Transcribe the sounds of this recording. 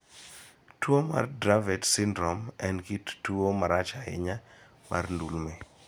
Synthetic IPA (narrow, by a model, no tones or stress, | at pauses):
twoma̰rdɾavɛtsɪndɾɔmɛnkittuomaɾat͡ʃaɪ̰ɲa | ma̰rndulme